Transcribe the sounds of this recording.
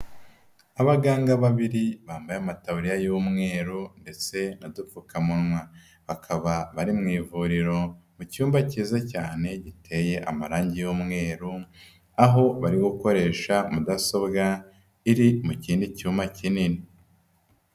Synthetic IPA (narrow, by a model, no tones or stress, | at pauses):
aβaɡaːŋɡaβaβiɾiβaːmbajamatauɾijajumŋe̞ːɾunde̞t͡se̞nadufukamunŋwa | βakʰaβaβaɾimŋiːvuɾiɾo̞mucuːmbaciːzacaːne̞ɟitʰe̞je̞ʔamaɾaːɲɟijoːmŋe̞ːɾu | aɦo̞βaɾiɡuko̞ɾe̞ːʃamudaso̞bɡa | iɾimuciːndicuːmacinini